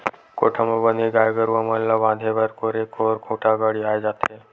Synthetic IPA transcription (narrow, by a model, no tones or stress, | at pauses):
koʈʰəmobəneɡaːjɡəɾuʋaməllabãːd̪ʱebəɾkoɾekoɾkʰũːʈʰaɡəɽiaːjd͡ʒaːt̪e